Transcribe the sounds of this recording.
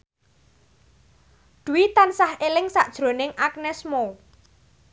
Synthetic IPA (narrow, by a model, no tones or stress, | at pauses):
d̪̥ṳwit̪ansahelɪŋsaʔd̥ʒ̥ɾo̤nɪŋak̚nɛsmo